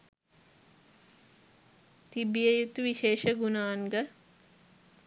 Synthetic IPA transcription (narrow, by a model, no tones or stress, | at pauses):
t̪ibijəjut̪uʋiʃeːʃəɡunaːnɡə